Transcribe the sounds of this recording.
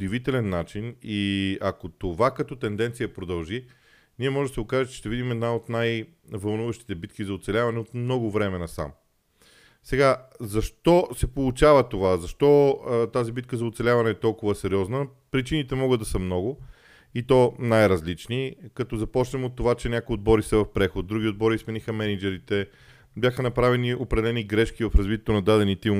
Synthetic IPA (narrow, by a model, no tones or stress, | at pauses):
od̪ivit̪ɛlɛnːat͡ʃiniɐkot̪ovakɐt̪ɔt̪ɛnd̪ɛnt̪sijəpɾod̪ɐlˠʒi | niɛmɔʒɛd̪əsɛɡokaʒət̪t͡ʃɛ̥ʃt̪ɛvid̪imɛd̪naot̪naj | vɐlˠnuvəʃt̪i̥t̪ɛbit̪kizɐot̪sɛlʲavɐnɛot̪mnɔɡʊvɾɛmɛnɐsa̰m | sɛɡazɐʃt̪ɔsɛpolˠʊt͡ʃavət̪ovazɐʃt̪ɔt̪azibit̪̚kəzɐot̪sɛlʲavɐnɛːt̪ɔlˠkʊvəsɛɾiɔznə | pɾit͡ʃinit̪ɛmɔɡəd̪d̪ɐsəmnɔɡʊ | it̪ɔnajɾɐzlit͡ʃnikɐt̪ɔzɐpɔt͡ʃnɛmot̪ːovat͡ʃɛnʲakʊjod̪̚bɔɾisɛvɐfpɾɛxot̪̚d̪ːɾuɡʲiod̪̚bɔɾiːsmɛnixəmɛnid͡ʒɛɾit̪ɛ | bjaxənɐpɾavɛniopɾɛd̪ɛlɛniɡɾɛʃkivɐfɾɐzvit̪ɛt̪onɐd̪ad̪ɛnit̪i